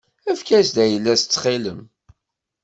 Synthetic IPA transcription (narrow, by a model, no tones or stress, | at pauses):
æfkæsd̪æjəlːæst͡sːχɪləm